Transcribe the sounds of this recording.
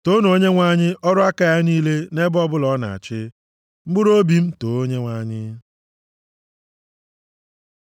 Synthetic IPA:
to˦n˨o˨˦ɲe˦ŋʷa˦ɲɪ˦ʔɔ˦ɾʊ˦a˦ka˨ja˦niː˦le˦ne˦bɔ˦bʊ˦lɔ˨˦na̰˨t͡ʃɪ˦ | ŋ͡m̩˦ɡ͡bʊ˦ɾo˦bi˦m̩˦to˨o˦ɲe˦ŋʷa˨˦ɲɪ˦

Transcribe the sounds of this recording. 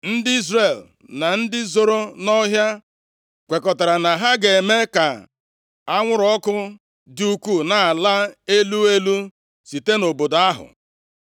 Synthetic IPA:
n̩˦dɪ˦i˦zre˨l | na˨n̩˦dɪ˦zo˨ɾo˦nɔ˦ɦja˦ | kʷe˨kɔ˨ta˨ɾa˨na˨ɦa˦ɡe˨me˦ka˨ | a˦ŋʷʊ˦ɾɔ˦kʊ˦ | du˦ku˦˨na˨a˨la˦e˦lu˦e˦lu˦ | si˨te˦no˨bo˨da˦ɦʊ̰˨

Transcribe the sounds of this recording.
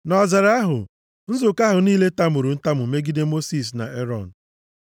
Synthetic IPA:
nɔ˨zɪ˨ɾa˦ɦʊ̰˨ | n̩˦zʊ˨ka˦ɦʊ˨niː˦le˦ta˦mʊ˨ɾʊ˨n̩˦ta˦mʊ˨me˦ɡi˦de˦mo˦si˦˨s̬na̰˨ʔe˦ɾɔ˦˨n̩˨

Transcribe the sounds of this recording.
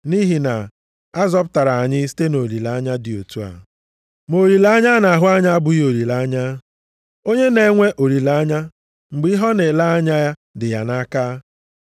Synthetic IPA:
ni˦ɦi˨na˨ | a˦zɔ˦p̬ʊ˦ta˨ɾa˨a˨ɲɪ˦si̥˦te˦no˨ɾi˨la˨a˦ɲa˦dɪ˨o̰˨tu˦a̰˨ | mo˨ɾi˨la˦ɲa˦na˨ɦʊ˦a˦ɲa˦a˦bʊ˨jo˨ɾi˨la˨˦ɲa˦ | o˦ɲe˦ne˨˦ŋʷe˦ʔo˨ɾi˨la˦a˦ɲa˦ | ŋ͡m̩˨ɡ͡bi˦i˦ɦɔ˦ne˨la˦a˦ɲa˦ja˦ | dɪ˨ja˨na˦kaː˦

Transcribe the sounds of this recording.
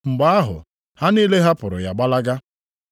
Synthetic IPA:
ŋ͡m̩˨ɡ͡ba˦a˦ɦʊ̰˨ | ha˦niː˦le˦ɦa˦pʊ˨ɾʊ̰˨ja˨ɡ͡ba˦la˦ɡa˦

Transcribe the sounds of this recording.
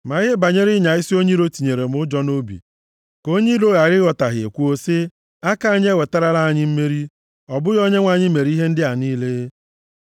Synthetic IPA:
ma˨ɣɪ˦ba˨ɲe˦ɾɪ˦ɲa˨ɪ˦si˦o˦ɲi˦ɾo˦ti˨ɲe˨ɾe˨m̩˦ʊ˦d͡ʒɔ˦no˦bḭ˨ | ko˦ɲi˦ɾo˦ɣa˨ɾɪ˦ɣɔ˨ta˨ɦɪ˨ḛ˨kʷu˦o˦sɪ˦ | a˦ka˨ɲ˦e˦we˨ta˦ɾa˦la˦a˨ɲɪ˦m̩˦me˦ɾi˦ | ɔ˨bʊ˦ɣɔ˦ɲe˦ŋʷa˨ɲɪ˦me˨ɾi˦ɦe˦n̩˦dɪ˦a˨niː˦le˦

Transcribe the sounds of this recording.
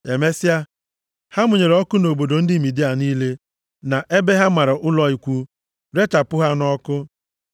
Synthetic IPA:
e˨me˦sɪ˦a˦ | ha˦mʊ˨ɲe˨ɾɔ˦kʊ˦no˨bo˨do˨n̩˦dɪ˦˨mi˨di˦a˨niː˦le˦ | na˨ʔe˦be˦ɦa˦ma˨ɾʊ˨ʔʊ˦lɔ˦i˨kʷu˦ | ɾe˦ta˨pʊ˦ɦa˦nɔ˦kʊ˦

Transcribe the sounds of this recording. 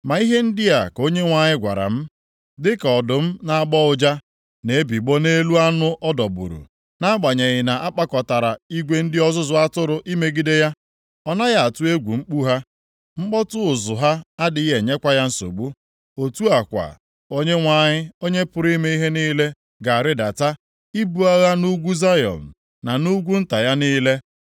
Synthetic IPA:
ma˨i˦ɦe˦n̩˦dɪ˦ja˨ko˦ɲe˦ŋʷa˨ɲɪ˦ɡʷa̰˨ɾa̰˨m̩˦ | dɪ˦kɔ˨dʊ˨m̩˦na˨a˦˨ɡ͡bɔ˦ʊ˨d͡ʒa˦ | ne˨˦bi˨ɡ͡bo˦ne˦lu˦a˦nʊ˦ʔɔ˦dɔ˨bʊ̰˨ɾṵ˨ | na˦ɡ͡ba˨ɲe˨ɣɪ˨na˨ʔa˦k͡pa˦kɔ˨ta˨ɾa˨i˦ɡʷe˦n̩˦dɪ˦ɔ˦zʊ˦zʊ˦a˦tʊ˦ɾʊ˨ʔi˦me˦ɡi˦de˦ja˦ | ɔ˦na˦ɣa˦˨a˨tʊ˦e˦ɡʷu˨ŋ͡m̩˦k͡pu˦ɦa˦ | ŋ͡m̩˦k͡pɔ˦tʊ˦ʊ˨zʊ˨ɦa˦a˦dɪ˨˦ɦe˨ɲe˦kʷa˦ja˦n̩˦so̰˨ɡ͡bu˦ | o˨tu˦a˨kʷa̰˨ | o˦ɲe˦ŋʷa˨ɲɪ˦o˦ɲe˦pʊ˨ɾi˦me˦i˦ɦe˦niː˦le˦ | ɡa˨a˨ɾɪ˦da˨ta˦ | i˦bu˨a˦ɣa˦nu˦ɡʷu˦za˦jɔ̰˨n̩˨ | na˨nu˦ɡʷu˦n̩˦ta˨ja˦niː˦le˦

